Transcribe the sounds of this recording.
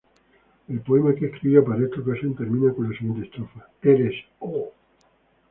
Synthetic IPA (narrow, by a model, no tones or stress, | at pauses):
e̞lpo̞emakeehkɾiβjopaɾaest̪okasent̪e̞ɾmĩnako̞nlasiɣent̪est̪ɾofa | eɾeso